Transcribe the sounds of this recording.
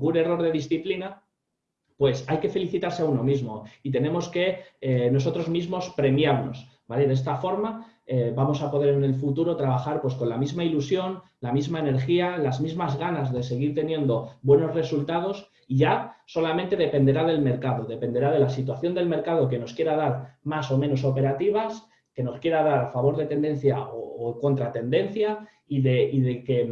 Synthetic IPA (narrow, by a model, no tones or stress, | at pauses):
ɡune̞ro̞ɾð̞e̞ðisθiplina | pwe̞sajke̞fe̞liθit̪aɾseauno̞mizmo̞it̪e̞ne̞mo̞ske̞no̞s̬o̞t̪ɾo̞zmizmo̞spɾe̞mjaɾno̞̰s | baleðest̪afo̞ɾma | bamo̞sapo̞ð̞e̞ɾene̞lfut̪uɾo̞t̪ɾaβ̞axaɾpwe̞sko̞nlamizmailusjo̞n | lamizmaene̞ɾxialazmizmazɣanazðe̞se̞ɣ̞iɾt̪e̞njẽ̞nd̪o̞bwe̞no̞zre̞sult̪að̞o̞s | iʝaso̞lamẽnt̪e̞ðe̞pe̞nd̪e̞ɾaðe̞lme̞ɾkaðo̞ðe̞pe̞nd̪e̞ɾað̞e̞lasit̪waθjo̞nd̪e̞lme̞ɾkað̞o̞ke̞no̞skje̞ɾaðaɾmaso̞mẽ̞no̞so̞pe̞ɾat̪iβ̞as | ke̞no̞skje̞ɾað̞aɾafaβ̞o̞ɾðe̞t̪e̞nd̪e̞n̟θjaoːko̞nt̪ɾat̪e̞nd̪e̞nθja | iðe̞iðeke̞